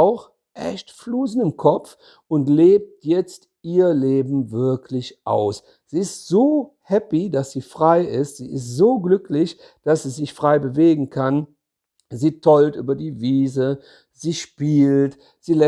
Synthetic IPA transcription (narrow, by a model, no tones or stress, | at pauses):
ʊx | ʔɛ̰çtfluːzn̩ɪmkʰɔp͡f | ʊntleːp̚tjɛt͡st | ʔiːɐleːbm̩vɪɐkʰlɪçʔa̰ʊs | z̥iːɪstz̥oː | hɛpidasz̥iːfʁ̥aɪɪstz̥ḭːɪstz̥oːɡlʏklɪç | d̥asz̥iːzɪçfʁ̥aɪbəveːɡŋ̩kʰan | ziːtʰɔltʔy̰ːbɐdiːviːzə | ziːʃpiːlt | z̥iːlɛ